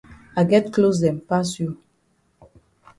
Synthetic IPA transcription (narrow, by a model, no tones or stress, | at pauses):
aɪɡɛtklos̬dɛ̃mpasju